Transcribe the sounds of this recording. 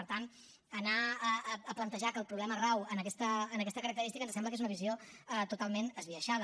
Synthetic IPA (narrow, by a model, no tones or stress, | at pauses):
pəɾt̪an | ənaəːplənt̪əʒakəlˠpɾuβlɛmərawənəkɛst̪əːnək̬ɛst̪əkəɾək̚t̪əɾist̪ikənsɛmbləkezunəβizioət̪ut̪alˠmenəzβiəʃaðə